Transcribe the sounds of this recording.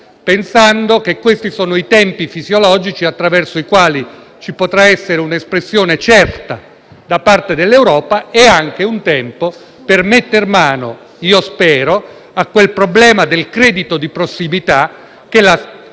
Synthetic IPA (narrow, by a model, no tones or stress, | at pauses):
pensand̪ok̟ekwest̪isoːnoit̪ɛmpifizjolɔːd͡ʒit͡ʃiat̪ːɾavɛrsoikwaːli | t͡ʃipot̪ɾaɛsːeɾeunespɾesːjoːnet͡ʃɛrt̪a | d̪apart̪ed̪elːewɾɔːpaeaŋk̟eunt̪ɛmpo | permet̪ːermaːno̰ | iːospɛːɾo | akːwelpɾoblɛːmad̪elkɾɛːd̪it̪od̪ipɾosːimit̪a | k̟ela